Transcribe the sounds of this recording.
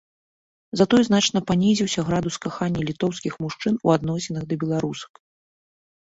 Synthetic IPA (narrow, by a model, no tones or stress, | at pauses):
zat̪ɔjznat͡ʂnɐpanʲizʲiwsʲɐɣɾad̪uskaxanʲːɛlʲit̪ɔwskʲixmuʂt͡ʂɨnuad̪nɔsʲinɐɣd̪ɐbʲɛlˠaɾusɐ̥k